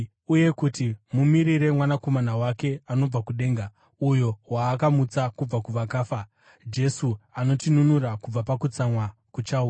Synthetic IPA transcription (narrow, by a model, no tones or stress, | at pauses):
uje̞kutimumiɾiɾe̞mwanako̞manawake̞ano̞b͡vakuɗe̞ːŋɡa | ujo̞waːkamut͡sakub͡vakuʋakaːfa | d͡ʒe̞suano̞tinunuɾakub͡vapakut͡samwa | kut͡ʃaua